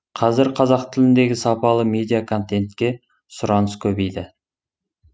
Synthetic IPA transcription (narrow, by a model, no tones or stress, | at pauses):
qʰɑzɪɾqʰɑzɑqt̪ʰɪlɪnd̪e̞ɡʲɪsɑpɑlˠəme̞d̪ijakʰo̞nt̪e̞nt̪kʲe̞ | sʊɾɑnəskʲʰɵbe̞jd̪ɪ